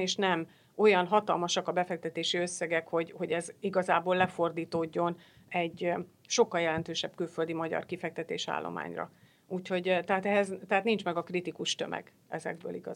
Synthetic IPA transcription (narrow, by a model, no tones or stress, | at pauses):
eːʃnɛm | o̞jɒnɦɒt̪ɒlmɒʃɒkɒbɛfɛk̚t̪ɛt̪eːʃiø̞sːɛɡɛkho̞ɟho̞ɟɛziɡɒzaːboːlːɛfo̞rd̪iːt̪oːɟːo̞n | ɛɟ | ʃo̞kːɒljɛlɛnt̪øːʃɛbkylføld̪imɒɟɒ̰rkifɛk̚t̪ɛt̪ḛːʃa̰ːlːʔo̰ma̰ːɲrɒ̰ | uːcho̞ɟt̪ɛɦaːt̪ɛɦɛzt̪ɛɦaːt̪nint͡ʃmɛɡɒkrit̪ikuʃt̪ø̞̰mɛ̰ɡ | ɛzɛ̰ɡ̚bø̰ːliɡɒ̰